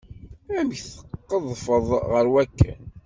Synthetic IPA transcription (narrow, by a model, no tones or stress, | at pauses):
æmçθə̥qːəðˤfəðˤʁəɾwækːæ̰n